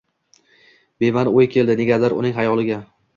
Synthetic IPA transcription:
bemanojkʲʰe̞ld̪ɪneɡʲaaɾʊ̰nɪŋɦajɒlˠɪɡʲa

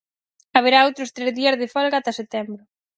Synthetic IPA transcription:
aβeɾaowt̪ɾʊst̪ɾɛzðiazðɪfɔlɣat̪aset̪ɛmbɾʊ

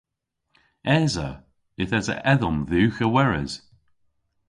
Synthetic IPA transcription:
ɛːzə̰ | ɪθɛzə̰ʔɛðɔmðʉːxəwɛɹɛ̰z̥

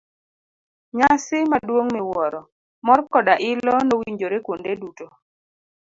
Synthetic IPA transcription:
ɲasɪmadwoŋmɛwɔɾɔ | mɔrkɔdaʔɪlɔnowiɲd͡ʒoɾekwondeduto

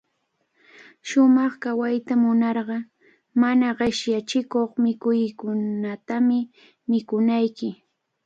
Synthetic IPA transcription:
ʃʊmɑχkawajt̪amʊnɑɾɢɑ | manaɢeʃjat͡ʃɪkoχmɪkʊjkʊnat̪amɪ | mɪkʊnajkɪ

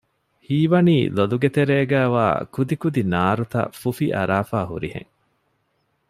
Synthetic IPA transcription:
hiːʋɐniːloluɡet̪eɾeːɡæːʋa̰ːkud̪ikud̪inaːɾut̪ɐ̰fufiʔɐ̰ɾaːfaːɦṵɾihḛ̃ŋ

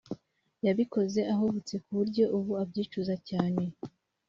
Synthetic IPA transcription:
jaβiko̞ze̞ʔaɦoβut͡se̞kuβuɾɟo̞ʔuβuabɟiːt͡ʃuzacaːne̞

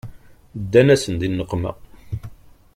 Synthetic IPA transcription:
d̪ːænæsənd̪inːəqːmæ̰

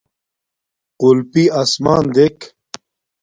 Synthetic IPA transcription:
qulpiɐsmaːnd̪ek

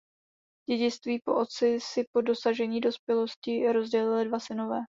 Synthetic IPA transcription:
ɟ̥ɛɟɪt͡st̪viːpo̞ʔo̞t̪t͡sɪsɪpo̞do̞saʒɛɲiːdo̞spjɛlo̞scɪɾo̞zɟɛlɪlɪdvasɪno̞vɛː

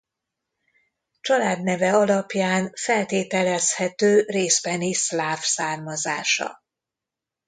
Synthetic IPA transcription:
t͡ʃɒlaːd̪nɛvɛɒlɒpjaːnfɛlt̪eːt̪ɛlɛshɛt̪øːreːzbɛnislaːfsaːrmɒza̰ːʃɒ̰

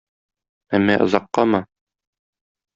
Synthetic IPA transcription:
æmːæʔɤ̆zɑqːɑmɤ

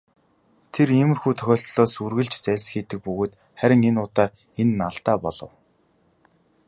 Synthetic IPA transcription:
t̪ʰeremɘ̆rxuːt̪ʰœxʲɔːɬt̪ɮɔːsurɣɘ̆ɮt͡ɕt͡sæːsxiːt̪ɘ̆k̚pɵɣoːt̪ | χæɾʲɪ̆ŋenʊːt̪aː | enːaɮt̪aːpɔɮɞ̆w

